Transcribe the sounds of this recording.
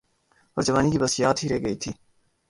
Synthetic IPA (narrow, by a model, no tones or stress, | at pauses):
ɔːɾd͡ʒəʋaːnikibɐsijaːt̪ɦiɾɛːɡɐit̪ʰiː